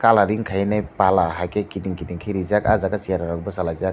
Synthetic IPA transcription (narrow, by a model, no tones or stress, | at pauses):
kalaɾiŋkʰajnapalaɦajkekidiŋkiniŋkʰajɾizakazaɡasijaɾaɾak̚bɔsalazak